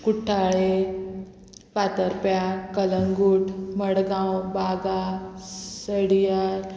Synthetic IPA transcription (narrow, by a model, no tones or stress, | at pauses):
kuʈʰːaɭe | ʋat̪əɾpjakələŋɡuʈʰməɽɡãwbaɡa | səɽijaɾ